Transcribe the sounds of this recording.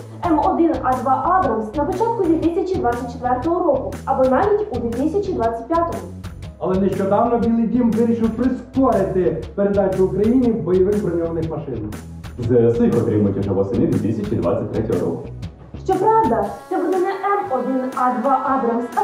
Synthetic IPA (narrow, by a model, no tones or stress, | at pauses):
ɛmɔd̪ɪnɑd̪ʋɑʔad̪ɾɐmsnɐpɔt͡ʃɑt̪̚kʊd̪ʋʲit̪sʲɐt͡ʃid̪ʋasʲːɐt̚ʲt͡ʃːet̪ʋɛrt̪ɔɦɔɾɔkʊɐbɔnɑʋʲitʲud̪ʲʋʲit̪ɪsʲɐt͡ʃid̪ʋɑt͡sʲːɐ̥t̚ʲpʲjat̪ɔɦɔ | ɐlˠɛnɛʃt͡ʃɔd̪ɑwnɔbʲilˠidʲimʋɪɾʲiʃɪwpɾɪskɔɾɪt̪ɪpeɾe̞d̪ɑt͡ʃʲʊːkɾɐjinʲiwbɔjɔʋɪxbɾɐnʲɔʋnɪxmɐʃɪnɐ | zɛɾsɪxɔt̪ɾʲɪmʊtʲɛʒɐʋɔsɪnɪd̪ʋʲit̪ɪsʲɐt͡ʃid̪ʋa̰t͡sʲɐt̚ʲt̪ɾɛtʲɔɦɔ̰ɾɔ̰kʊ | ʃt͡ʃɔpɾɑwd̪ɐt̪sɛbud̪ɛnɛʔɛmɔd̪ɪnɑd̪ʋɑʔɑd̪ɾɐms